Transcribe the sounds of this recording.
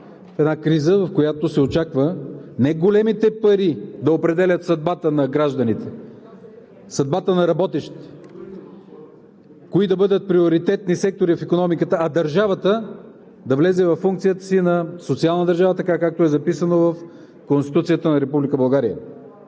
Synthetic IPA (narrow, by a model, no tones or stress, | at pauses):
ɛd̪nakɾizəvɐfkojat̪osɛot͡ʃakvənɛɡolɛmit̪ɛpɐɾid̪ɐopɾɛd̪ɛlʲɐt̪sɐd̪̚bat̪ənɐɡɾaʒd̪ɐnit̪ɛ | sɐd̪̚bat̪ənɐɾɐbɔt̪ɛʃt̪i̥t̪ɛ̥ | koid̪ɐbɤd̪ət̪̚pɾioɾit̪ɛt̪nisɛk̚t̪oɾifikonɔmikət̪əːd̪ɐɾʒavət̪ə | d̪ɐvlɛzɛvɐfːuŋkt̪sijət̪ə̥sinɐsot̪sialˠnəd̪ɐɾʒavət̪ɐkakak̚t̪oɛzɐpisənovɐf | konst̪i̥t̪ut̪sijət̪ənɐɾɛpublikəbɐlˠɡaɾijə̰